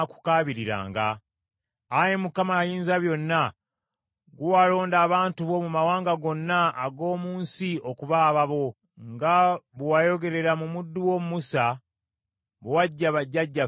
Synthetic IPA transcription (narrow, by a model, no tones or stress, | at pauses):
aku̥kaːβiɾiɾa̰ːŋɡa̰ː | je̞mukamajiːnzaβjo̞nːa | ɡuwalo̞ːndaːβaːntuβo̞mumawaːŋɡaɡo̞nːaːɡo̞ːmuːnsio̞kuβaːβaβo̞ | ŋɡaβwwajo̞ɡe̞ɾe̞ɾamumudːuwo̞mumusa | βwaɟːaβaɟːaɟːa